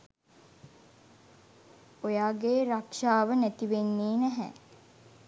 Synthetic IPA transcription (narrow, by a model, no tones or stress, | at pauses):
ojaːɡeːɾakʃaːʋənæt̪iʋenːiːnæɦɛ̰